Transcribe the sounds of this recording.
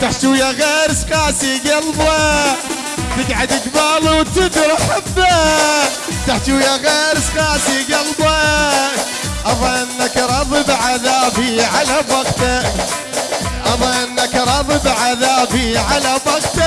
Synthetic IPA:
t̪aħt̪ujaɣeːɾsqɑːsiɡɑlba | t̪ɪɡʕad̪ɪɡbaːluwt̪ɪd̪ɾˤħabːa | t̪aħt̪ujaɣeːɾsˤqɑːsiɡɑlba | ʔɑbɑʔɪnːakɾˤɑðɨbʕaðaːbiʕalabɑɡt̪a | ʔɑbaʔɪnːakɾˤɑðˤɨbʕaðaːbiʕalabɑqt̪a

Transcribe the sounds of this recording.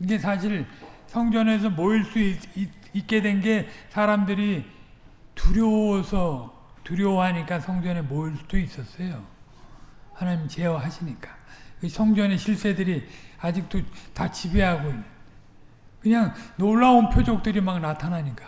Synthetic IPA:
iɡe̞sʰaɕʰiɾsʰʌŋd͡ʑʌne̞s̬ʰʌmoiɭs͈ui | ik͈e̞dwe̞nɡe̞sʰaɾamdɯɾi | tuɾjʌsʰʌ | tuɾjʌwɦaɲik͈asʰʌŋd͡ʑʌne̞moiɭsdois͈ʌs͈ʌjo | hanaɲimt͡ɕe̞ʌɦaɕʰiɲik͈ḁkɯsʰʌŋd͡ʑʌne̞ɕʰiɭs͈e̞dɯɾiad͡ʑik̚t͈otat͡ɕibeɦaɡoinːɯn | kɯɲaŋnoɭːaonpʰjod͡ʑok̚t͈ɯɾimak̚natʰanaɲik͈ḁ

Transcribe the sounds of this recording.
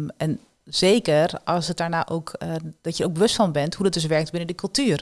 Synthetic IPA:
ɛn | z̥eːkərɔsətdaːɹnaːʔowkd̥ɔtjəowk̚bəʋøstfɔnbɛnthudɔtdøs̬ʋɛɹk̚tbɪnəndəkɵlˠtyər

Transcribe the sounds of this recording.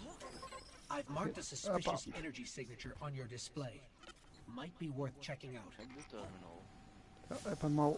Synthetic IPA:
ʔaɪvmɑɹktɨsɨspɪʃɨsɛnə˞d͡ʒisɪɡ̚nɨt͡ʃə˞ʔə̃njə˞dɨspleɪ | maɪt̚b̥iwɜ˞θt͡ʃʰɛkɪ̃ŋaʊt | ʔəpəmo

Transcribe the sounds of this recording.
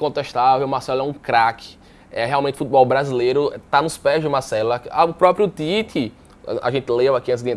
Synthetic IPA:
kõt̪eʃt̪avewumahsɛlʊɛũkɾakʰɪ̥ | ɛɦeawmẽt̪ɪ̥fut̪ɪbɔwbɾazilejɾʊt̪anʊspɛzd͡ʒɪmahsɛlɐaʊpɾɔpɾjʊt̪it̪ɪ̰ | a̰ʒẽnt̪ɪlevakiẽs̬d̪ẽ

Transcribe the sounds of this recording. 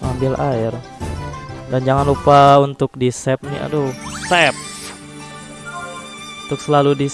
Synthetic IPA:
ambɪlʔaɪr | dand͡ʒaŋanlupaunt̪ʊk̚disɛp̚nḭa̰dosɛp̚ | unt̪ʊksəlaludi

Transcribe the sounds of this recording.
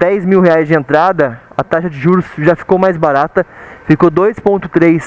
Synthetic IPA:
d̪ɛjzmiwɦeajzd͡ʒɪẽnt̪ɾad̪ɐɐt̪aʃɐd͡ʒɪʒuɾʊsʒafi̥kowmajzbaɾat̪ɐfikod̪ojspõnt̪ʊ̥t̪ɾejs

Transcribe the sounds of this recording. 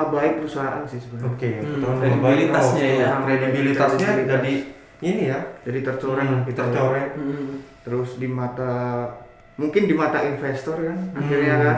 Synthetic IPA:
abaɪk̚pəɾusaɦaʔa̰nsɪhsəbaokkeəabilit̪asɲaaaŋkɾedibilit̪asɲad͡ʒadi | inijad͡ʒadit̪ərt͡ʃoɾɛŋit̪ərt͡ʃoɾɛk̚t̪əɾʊsdimat̪a | muŋkɪndimat̪ainfɛst̪ɔrkanaxirɲaka

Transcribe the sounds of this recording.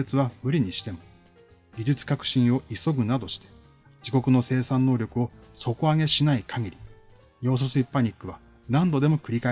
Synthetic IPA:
et͡sɨβamɯ̟ɾʲiɲ̟iɕi̥t̪e̞mo̞ | ɡʲid͡ʑɨt͡sɨ̥kakɯ̟̥ɕĩɰ̃o̞ʔiso̞ɡɯ̟nad̪o̞ɕi̥t̪e̞̥ | d͡ʑiko̞kɯ̟no̞se̞ːsãnːo̞ːɾʲo̞kɯ̟o̞so̞ko̞aɡe̞ɕinaikʰaɡʲiɾʲi | ɲo̞ːs̬osɨipːaɲ̟ikːɯ̟β̞a | nãnd̪o̞d̪e̞mo̞kɯ̟ɾʲika

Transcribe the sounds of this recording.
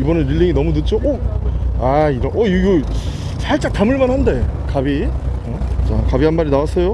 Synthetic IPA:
ibʌnɯnɾiɭːiŋinʌmutɯt̚t͡ɕ͈oʔo | aiɾʌnʔʌiɡɯ | t͡ɕaɭt͡ɕ͈ak̚tamɯɭmanɦande̞kabiʌt͡ɕakabiɦanmaɾinawas͈ʌjo

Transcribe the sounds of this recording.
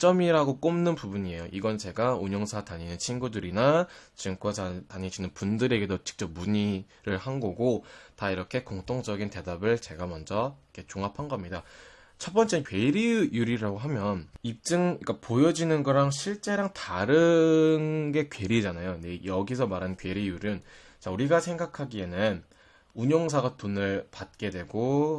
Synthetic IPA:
t͡ɕ͈ʌmiɾaɡok͈omnɯnpubuɲie̞joʔiɡʌnt͡ɕe̞ɡauɲʌŋsʰataɲinɯnt͡ɕʰinɡudɯɾinat͡ɕɯŋk͈ʌtaɲeɕʰinɯnpundɯɾe̞ɡe̞dot͡ɕɯ̥k̚t͡ɕ͈ʌp̚muɲi | ɾɯɭhanɡoɡotaiɾʌkʰe̞koŋt͈ʰoŋd͡ʑʌɡinte̞dabɯɭt͡ɕe̞ɡamʌnd͡ʑʌkʰe̞t͡ɕoŋapʰanɡʌmɲida | t͡ɕʰʌp͈ʌnt͡ɕ͈e̞nɯnkɥe̞ɾijjuɾiɾaɡoɦamjʌnip̚t͡ɕ͈ɯŋik͈apojʌd͡ʑinɯnɡʌɾaŋɕʰiɭt͡ɕ͈e̞ɾaŋtaɾɯnɡe̞kɥe̞ɾid͡ʑanajonejʌɡis̬ʰʌmaɾankɥe̞ɾijuɾɯn | t͡ɕauɾiɡasʰe̞ŋɡakʰaɡie̞nɯn | uɲʌŋsʰaɡatonɯɭpat̚k͈e̞dwe̞ɡo

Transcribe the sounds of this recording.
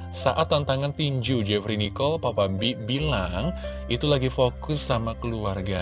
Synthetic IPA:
sa̰ʔat̪ːant̪aŋant̪iɲd͡ʒud͡ʒɛfɾinikɔlpapambibilaŋ | ʔit̪ulaɡifokʊsamakəluarɡa

